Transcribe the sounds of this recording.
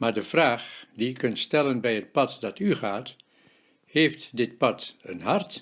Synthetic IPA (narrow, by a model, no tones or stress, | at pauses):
maːɹdəv̥raːχdiɪkːɵntstɛlənbɛjɦət̚pɑtdɑtyχaːt | heːftdɪt̚pɑtənɦɑrt